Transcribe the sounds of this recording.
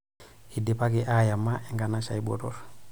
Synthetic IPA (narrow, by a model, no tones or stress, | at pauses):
idɛpakiʔajamːaɛŋɡanaʃajbɔ̰tɔ̰ɾ